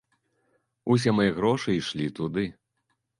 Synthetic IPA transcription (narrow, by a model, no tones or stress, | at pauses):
us̬ʲɛmɐjɛɣɾɔʂɨiʂlʲit̪ud̪ɨ